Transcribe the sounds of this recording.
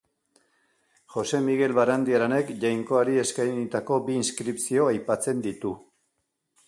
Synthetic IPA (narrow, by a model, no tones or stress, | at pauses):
χo̞se̞miɣe̞lβaɾand̪iaɾane̞kʝajŋko̞aɾie̞skajnit̪ako̞biːnskɾipsio̞ajpat͡se̞nd̪it̪u